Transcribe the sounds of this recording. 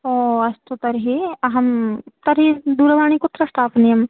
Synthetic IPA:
oːɐst̪ot̪ɐɾɦiɦɐmt̪ɐɾɦid̪uːɾʋaːɳ̃ikʊt̪ːɾɐsʈaːpnijɐm

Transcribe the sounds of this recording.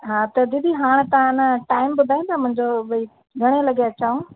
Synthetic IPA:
ɦaːt̪ɐd̪ɪd̪ʱiɦaːɽ̃t̪ɐãnəʈaːɪmbʊd̪ʱaːĩt̪amʊ̃ɦɪ̃ɲd͡ʑobi | ɡʱɐɽ̃elɐɡeɐt͡ɕaːũ

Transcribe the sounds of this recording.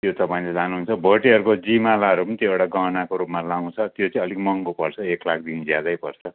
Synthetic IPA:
t̪jot̪ʌpaĩled͡zanuɦunt͡sʰʌbʱʌʈiɦʌɾukod͡zimalaɦʌɾupʌnit̪joewɽaɡanakoɾupmalaw̃t͡sʰʌt̪jot͡sʌĩʌlikmʌŋkopʌrt͡sʰʌeklak̚ʰd̪ind͡zjad̪ajpʌrt͡sʰʌ

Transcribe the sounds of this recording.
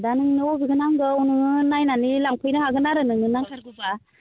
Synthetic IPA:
danɯŋnɯɔɡiɡɯnaŋɡɯunɯŋɯnajnanilaŋpʰɯjnɯhaɡɯnaɾɯnɯŋɯnaŋkʰaɾɡɯba

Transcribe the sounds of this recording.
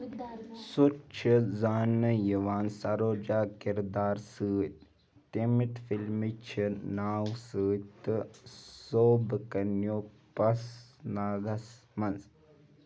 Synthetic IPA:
sut͡ʃʰizaːnːəjiʋaːnsɐɾoːd͡ʒaːkiɾd̪aːɾsɨːt̪ | t̪imit̪filmit͡ʃʰinaːwsɨːt̪ | soːbkɐnjoː | pɐsnaːɡɐsmɐnz

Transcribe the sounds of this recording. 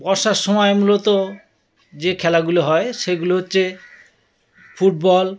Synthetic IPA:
bɔɾʃaɾʃɔmɔemulot̪o | d͡ʑekʰɛlaɡuloɦɔeʃeɡuloɦotːɕʰe | fʰuʈ̚bɔl

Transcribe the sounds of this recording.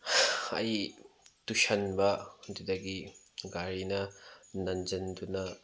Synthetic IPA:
ɐ̰jtuʃɐnbɐdidɐɡi | ɡaɾinɐnɐnd͡ʒɐndunɐ

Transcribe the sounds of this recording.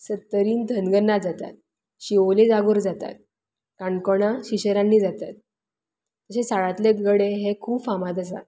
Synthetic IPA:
sət̪ːəɾiːnd̪ʱənɡənːad͡zat̪a̰t̪̚ | ɕiʋoled͡zaɡoɾd͡zat̪a̰t̪̚ | kaɳkoɽ̃aɕiɕəɾãnːiːd͡zat̪at̪̚ | t̪əɕesaɭat̪leɡəɽeɦekʰuːpfamad̪əs̬a̰

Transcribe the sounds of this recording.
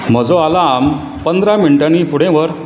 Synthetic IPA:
m̤əd͡zoalaːm | pənd̪ɾamiɳiʈanifuɽ̤ẽʋəɾ

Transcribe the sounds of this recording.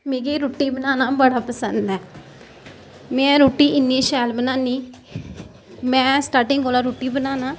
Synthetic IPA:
meːɡeːɾoːʈːiːbənaːnaːbəɽaːpəsənd̪ɛː | mɛ̃ːɾoːʈːiːʔɪnːieʃɛːlbənaːniː | mɛ̃ːsʈaːɾʈɪ̃ŋɡoːlaːɾoːʈːiːbənaːnaː

